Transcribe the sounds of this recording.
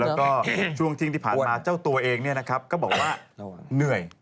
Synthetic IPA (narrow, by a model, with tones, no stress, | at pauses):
lɛː˦˥wkɔː˥˩t͡ɕʰu˥˩əŋt̪ʰi˥˧ŋt̪iː˥˩pʰaː˨˩nmaː˧t͡ɕaː˥˩wt̪u˧ɐʔeː˧ŋni˥˩na˦˥kʰa˦˥p̚kɔː˥˩bɔː˨˩k̚waː˥˩nɯ˨˩əj